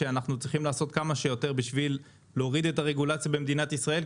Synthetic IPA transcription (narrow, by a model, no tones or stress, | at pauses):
eanaχnut͡sʁiχimlaːso̞t̪kamaʃe̞jo̞te̞ʁbiʃvilː | eoʁid̪e̞taʁeɡulat͡sjabemed̪inat̪isʁae̞l